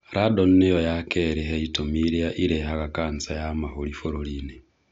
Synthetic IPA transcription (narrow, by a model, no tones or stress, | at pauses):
ɾadonnejojakeɾeɦeitomiɾiaʔiɾeɦaɣakaːnt͡sajamaholifoɾoline